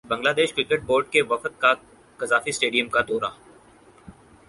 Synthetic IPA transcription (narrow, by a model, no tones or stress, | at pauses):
bɐ̃ŋɡlaːd̪eːʃkɾɪkeʈ̚boːɾɖkeʋɐfət̪̚ka | kɐzaːfisʈeːɖijəmkad̪ɔːɾaː